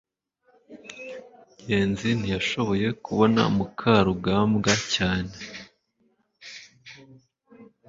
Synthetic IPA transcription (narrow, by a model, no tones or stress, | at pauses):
ɟe̞ːnzinijaʃo̞βo̞je̞kuβo̞na̰mukʰaɾuɡaːmɡacaːne̞